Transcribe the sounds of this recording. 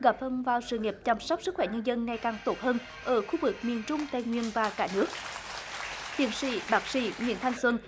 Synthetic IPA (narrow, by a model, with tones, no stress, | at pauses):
ɣa˨˥p̚fə˧nvaː˨˩wsɨ̰˧˨ŋi˨˩p̚t͡ɕa˧msɔ˦˥wk͡p̚sɨ˦˥k̚xwɛ˧˩ɲə˧nzə˧nŋa˨˩jkaː˨˩ŋt̪o˨˦˥t̚həː˧n | ʔəː˧˩xu˧vɨ˨˩k̚mi˨˩ənt͡ɕʊ˧ŋ͡mt̪a̰ː˧˨jŋwi˧˨ənvaː˨˩kaː˧˩˥nɨ˦˥ək̚ | t̪ḭ˧˩ənsḭ˧˥˦ɓaː˦˥k̚sḭ˧˩˦ŋḭ˧˨ənt̪ʰa˧jŋ̟swə˧n